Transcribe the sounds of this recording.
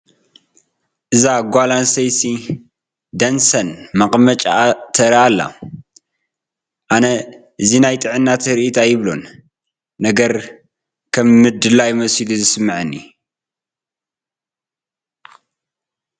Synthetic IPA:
ʔɨzaɡʷalansɐjsi | d̪ɐnsɐnmɐqʼmɐt͡ʃʼat̪ʰɐɾialːa̰ | ʔanɐ | ʔɨzinajt̪ʼɨʕɨnːat̪ʰɾʔit̪ʰajɪβlo̞̰nː | ɐɡɐɾ | kʰɐmːɨd̪ɨlajmɐsiluzɨsɨmːɨʕɨnːi

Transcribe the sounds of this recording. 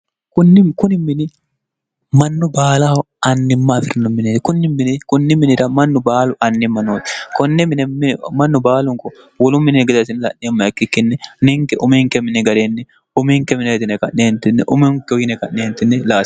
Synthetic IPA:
kʊnːɪkʊnɪmːɪnɪ | mɐnːʊbaːla | ɐnːɪmːafɪɾnʊmɪnɛkʊnːɪmːɪnɛkʊnːɪmɪnɪɾɐmɐnːʊbaːlʊʔɐnːɪmːɐnoːt̪kɔnːɛmɪnɛmɐnːʊbaːlʊŋkɔ | wɔlʊmːɪnnɡɪd̪ɐt̪ɪnɛlɐ̰ʔːeːmːɐjɐkːɪkːɪnːɛnɪŋkɛʔʊmiːŋkɛmɪnɛɡɐɾeːnːɛ | ʊmiŋkɛmɪneːt̪ɪnɛkɐnːeːnt̪ɪnːɛʔʊmɪŋkɔɡɪnɛkɐnːeːnt̪ɪnːɛlaː

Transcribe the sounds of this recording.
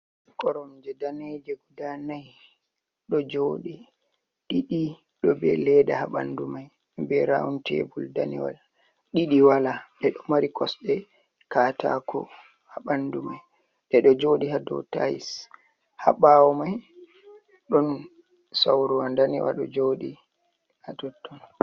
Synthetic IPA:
kɔɾɔmd͡ʒɛdaned͡ʒɛɡudanaj | ɗɔd͡ʒoːɗi | ɗiɗi | ɗɔbɛlɛdahaɓa̰ndumaj | bɛɾa̰wuntɛ̰bulda̰nḭwa̰l | ɗiɗiwalaɓɛɗɔmaɾikʰɔsɓɛ | kaːtʰa̰kʰɔ̰ | haɓandumaj | ɗɛɗɔd͡ʒoːɗihadɔ̰tajḭs | ha̰ɓawɔmaj | ɗɔn | sawɾuwandanḭwa̰ɗɔ̰d͡ʒoːɗi | hadɔtːɔn

